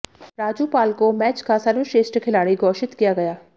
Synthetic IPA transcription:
ɾaːd͡ʒuːpaːlkomɛːt͡ʃkasɐɾʋɪʃeːsʈkʰɪlaːɽiɡɔːʃɪt̪kijaɡɐjaː

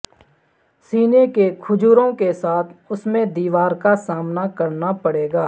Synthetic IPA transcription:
siːnekekʰʊd͡ʒuːɾõkesaːt̪ʰʊsmẽd̪iːʋaːɾkasaːmnakəɾnapəɽeːɡaː

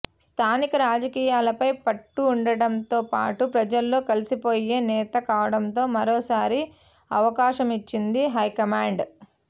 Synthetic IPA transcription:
st̪ʰaːnikɐɾaːd͡ʒɐkiːjaːlɐpɐjpɐʈːuːɳɖɐɽɐmt̪o̞ːpa̰ːʈupɾɐd͡ʒɐlːo̞ːkɐlisipo̞ːje̞ːnɛːt̪ɐkaːʋɐɽɐnt̪o̞ːmɐɾoːsaːɾi | ɐʋɐkaːʃɐmit͡ʃːind̪iɦɐjkɐmaːɳɖ

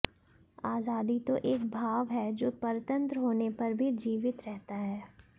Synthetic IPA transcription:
aːzaːd̪it̪oʔeːk̚bʱaːʋɦɛːd͡ʒoːpɐɾt̪ə̃nt̪ɾəɦoːnepɐɾbʱid͡ʒiːʋɪt̪ɾɛɦt̪aɦɛː

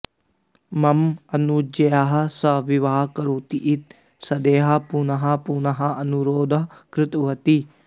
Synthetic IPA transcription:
mɐmɐnud͡ʒɐjaɦɐsɐʋiʋaːɦkɐɾoːt̪iʔit̪̚ | sɐd̪eːɦɐpunɐɦɐpunɐɦɐɐnuɾoːd̪ɐɦkɾɪt̪ʋɐt̪i

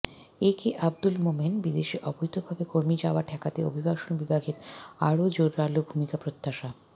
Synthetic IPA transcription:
ekeʔab̚d̪ulmomenbid̪eʃiʔɔbojt̪obʱabekoɾmid͡ʑaoaʈʰɛkat̪eo̰bʱibaʃonbibʱaɡʱeɾaɾod͡ʑoɾːalobʱumikapɾot̪ːaʃa

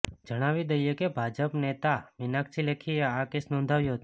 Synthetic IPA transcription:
d͡ʒəɽ̃aʋid̪əjekebʱad͡ʒəpnet̪aʋinakt͡ʃʰilekʰieakesnɔ̃nd̪ʱaʋjuɦət̪

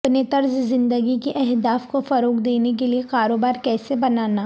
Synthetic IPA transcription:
pnet̪ɐɾzzɪ̃nd̪əɡikeʔɛɦd̪aːfkofɐɾoːkd̪eːnek̬eliekaːɾoːbaːɾkɛːsebɐnaːnaː

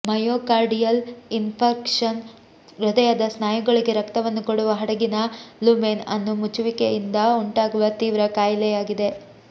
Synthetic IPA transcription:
mɐjoːkaːɾɖijɐlinpʰɐɾkʂɐn | ɾud̪ɐjaːd̪ɐsnaːjuɡɐɭiɡe̞ɾɐkt̪ɐʋɐnːukoɽuʋɐɦɐɽɐɡinɐlumeːnɐ̰nːumut͡ʃuʋikejind̪ɐuɳʈaːɡuʋɐt̪iːʋɾɐkaːjlɛjaːɡid̪e̞

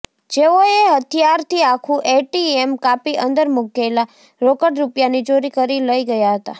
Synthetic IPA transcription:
d͡ʒeoeɦət̪ʰijaɾt̪ʰiakʰũʔeʈiemkapiʔənd̪əɾmuɡela | ɾokəɽɾupjanid͡ʒoɾikəɾiləiɡəjaɦət̪a̰

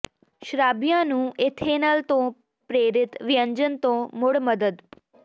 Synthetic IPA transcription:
ʃɾabjãnũːet̪ʰenalt̪õ | pɾeːɾɪt̪ʋijəɲd͡ʒənt̪õmoɽməd̪əd̪

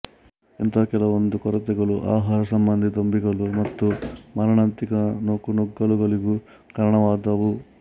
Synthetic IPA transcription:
ent̪ʰɐkɛlɐʋond̪ukɔɾɐt̪ɛɡɐɭuʔaːɦaːɾɐsɐmbɐnd̪ʱit̪ombiɡɐɭumɐt̪ːumɐɾɐɳaːnt̪ikɐnokunoɡːɐɭuɡɐɭiɡu | kɐɾɐɳɐʋaːd̪ɐʋu

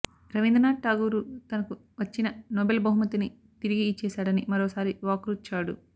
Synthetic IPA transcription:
ɾɐʋind̪ɐnaːʈaːɡuːɾut̪ɐnɐku | ʋɐt͡ʃːinɐnoːbelbɐɦumɐt̪ini | t̪iɾiɡit͡ʃɛːsaːɽɐnimɐɾoːsaːɾiʋaːkɾut͡ʃːaːɽṵ

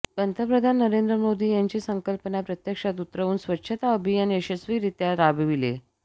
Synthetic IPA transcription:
ɡənt̪əpɾəd̪ʱanːəɾend̪ɾəmod̪iːjaɲt͡ɕiːsəŋkəlpənapɾət̪jəkʂat̪̬ut̪ɾəʋuːnsʋətːɕʰət̪aəbʱijanəɕəsʋiːɾit̪jaɾabʋilḛ

